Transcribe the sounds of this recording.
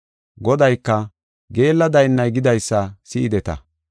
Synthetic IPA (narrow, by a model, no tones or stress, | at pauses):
ɡɔd̪ɐjkːɐ | ɡe̞ːlːɐd̪ɐjnːɐjɡɪd̪ɐjsːɐsɪɪd̪ɛt̪ɐ̰